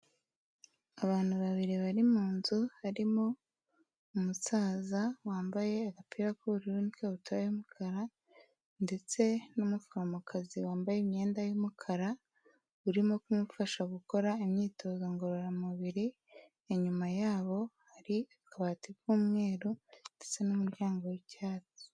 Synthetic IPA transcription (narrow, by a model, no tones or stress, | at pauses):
aβaːn̥huβaβiɾiβaɾimuːnzuhaɾimo̞ | umusaːzawaːmbaje̞aɡapiɾakuβuɾiɾunikeβutʰaβajumukʰaɾa | nde̞t͡se̞numufuɾamukʰaziwaːmbajemɲe̞ːndajomukʰaɾa | uɾimo̞kumufaʃaɡuko̞ɾaimɲiːtʰo̞ːzoŋɡoɾoɾamuβiɾi | eɲumajaːβo̞haɾiakaβatiβuːmŋe̞ːɾund̥e̞t͡se̞numuɾjaːŋɡowecaːti̥